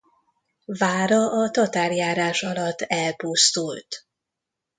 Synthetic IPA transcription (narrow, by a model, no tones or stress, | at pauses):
vaːɾɒʔɒt̪ɒt̪aːrjaːɾaːʃɒlɒt̪ːɛlpust̪ult̪